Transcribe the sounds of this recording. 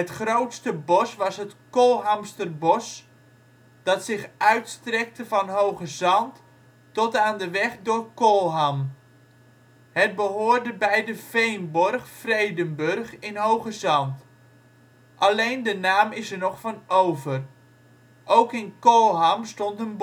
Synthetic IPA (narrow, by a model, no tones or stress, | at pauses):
ətχrowtstəbɔsʋɑsɦətkolˠɦamstərbɔs | d̥ɑtsɪχœɥtstrɛk̚təvɑnɦowχəzɑnt | tɔtaːndəʋɛχdʊːrkolˠɦam | hət̚bəɦoːrdəbɛjdəfejnbɔrχfrejdənbɵrχɪnɦowχəzɑnt | ʔalejndənaːmɪsərnɔχfɑnowvər | ʔowkɪnkolˠɦamstɔntənb